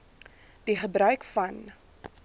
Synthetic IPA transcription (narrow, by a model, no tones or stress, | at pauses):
d̥iχəbɾœɥkfɐn